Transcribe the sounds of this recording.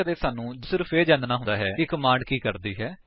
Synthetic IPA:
əd̪eːsaːnũːd͡ʒəsɪɾfeːd͡ʒãːnd̪naːɦʊ̃nd̪aːɦɛːɪkːmãːɳɖkiːkəɾd̪iːɦɛː

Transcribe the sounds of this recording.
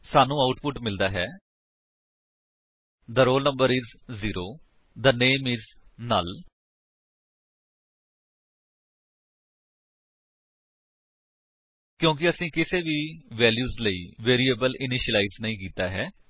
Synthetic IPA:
saːnũːaʊʈpʊʈmɪld̪aːɦɛː | d̪əɾoːlnə̃mbəɾɪzːiːɾoː | d̪əneːmɪznaːl | kjõːk̬ɪəsĩːkɪseːʋiːʋɛːljuːzləḭːʋeːɾiːeːbəlʔɪnɪʃəlaːiznəĩːkiːt̪aːɦɛː

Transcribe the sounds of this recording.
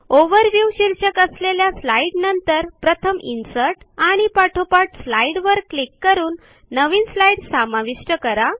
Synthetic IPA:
oʋəɾʋjuʋɕiɾɕəkəsleljaslaiɽnənt̪əɾpɾət̪ʰəminsəɾʈaɽ̃ipaʈʰopaʈslaiɽʋəɾklikːəɾuːnː | əʋiːnslaiɽsamaʋiʂʈəkəɾa

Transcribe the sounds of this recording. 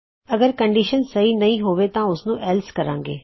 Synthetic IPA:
əɡəɾkəɳɖiːʃənsɐɦinɐĩːɦoːʋet̪ãːʊsnũːʔɛlskəɾã̰ːŋɡḛː

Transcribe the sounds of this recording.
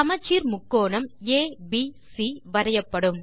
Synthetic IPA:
ɐmɐt͡ʃːiːɾmʊkːoːnɐmeːbisiʋɐɾɐjɐpːɐɽɯm

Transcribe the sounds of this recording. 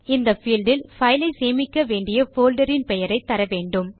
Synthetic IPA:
ɪnd̪ɐfiːlɖɪlfɐɪlɐɪseːmɪkːɐʋeːɳɖɪjɐfoːlɖɐɾɪnpɛjɐɾɐɪt̪ːɐɾɐʋeːɳɖɯm

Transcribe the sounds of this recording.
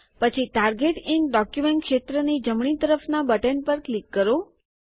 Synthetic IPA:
pət͡ʃʰiʈaɾɡeʈiŋɖɔkjumeɳʈkʃet̪ɾənid͡ʒəmɳ̃it̪əɾəfnabəʈənpəɾklikːəɾo

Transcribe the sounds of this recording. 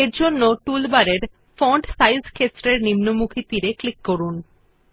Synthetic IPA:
eɾd͡ʑonːoʈulbaɾeɾ | fɔɳɖsajzkʰesɾeɾnimnomukʰit̪iɾeklikːoɾun

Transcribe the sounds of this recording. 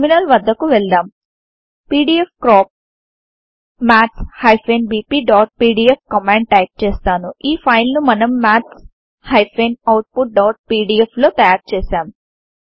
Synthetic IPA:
minɐlʋɐd̪ːɐkuʋɛɭd̪aːm | piːɖiːepkɾaːp̚ | maːʈshɐjpʰeːnbiːpiːɖaːʈ̚piːɖiep̚kɐmeɳɖʈɐːk̚t͡ʃeːst̪aːnuʔiːpʰɐjlnumɐnɐmːaːʈs | hɐjpʰeːnɐwʈ̚puʈ̚ɖaːʈ̚piːɖiepʰlo̞ːt̪ɐap̚t͡ʃeːsaːm

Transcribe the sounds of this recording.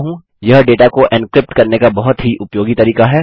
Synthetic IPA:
ɦũː | jɐɦɖeːʈakoʔɛ̃nkɾɪp̚ʈkɐɾnekabɐɦʊt̪ɦiʔʊpjoːɡit̪ɐɾiːkaɦɛː

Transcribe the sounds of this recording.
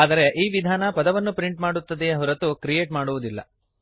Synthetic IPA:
aːd̪ɐɾe̞ʔiːʋid̪ʱaːnɐpɐd̪ɐʋɐnːupɾiɳʈmaːɽut̪ːɐd̪eɐɦɐɾɐt̪ːukɾije̞ːʈmaːɽuʋud̪ilːɐ̰

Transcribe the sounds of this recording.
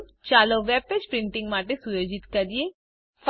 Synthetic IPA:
t͡ʃaːloːʋɛːbʋɪt͡ʃpɾɪ̃ɳʈɪ̃ŋɡmaːʈesʊjoːd͡ʒɪt̪kəɾieː | fʰ

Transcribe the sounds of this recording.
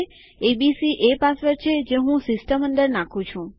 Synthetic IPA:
ebisiʔepasʋəɾt͡ʃʰed͡ʒeɦũsɪsʈəmə̃nd̪əɾnãkʰũt͡ʃʰũ

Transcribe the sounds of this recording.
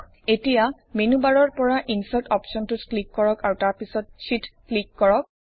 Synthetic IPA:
etija | menubaɹɔɹpɔɹaʔinsatɔpsɔntʊtklikːɔɹɔkaɹutaɹpisɔt̚ʃitklikːɔɹɔk̚

